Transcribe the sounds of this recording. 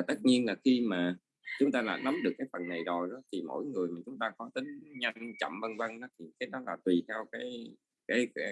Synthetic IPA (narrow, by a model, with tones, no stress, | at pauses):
t̪ə˦˥t̚ɲi˧ənlaː˨˩xi˧maː˨˩ | t͡ɕʊ˨˦ŋ͡mt̪aː˧la̰ː˨˩na˨˦mɗɨ˨˩əkːaː˨˦jfə˨˩nːa˨˩jzo˨˩jɗɔ˨˦t̪ʰi˨˩mo̰˧˥jŋɨ˨˩əjmaː˨˩t͡ɕʊ˨˦ŋ͡mt̪aː˧kɔ˨˦t̪ï˨˦ŋ̟ɲa˧ŋt͡ɕɔ̰˧˨mvə˧nvə˧nnɔ˨˦t̪ʰi˨˩kaː˨˦jɗɔ˨˦laː˨˩t̪wi˨˩t̪ʰɛ˧wkaː˨˦j | kaː˨˦jkɛ˨˧˦